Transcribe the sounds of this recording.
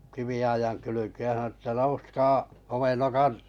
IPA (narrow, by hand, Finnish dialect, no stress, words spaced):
kiʋiɑijɑŋ kylykeːj jɑ sɑnŏnu ə̆tːæ nouskɑː homenːokɑt